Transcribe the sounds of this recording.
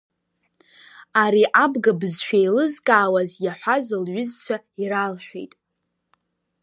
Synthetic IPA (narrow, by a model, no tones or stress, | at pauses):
aɾiʔabɡabzʃᶣejlɨzkʼaːwazjaħʷazɨlɥʏzt͡ɕʷʰa | iralħʷᶣḛjtʼ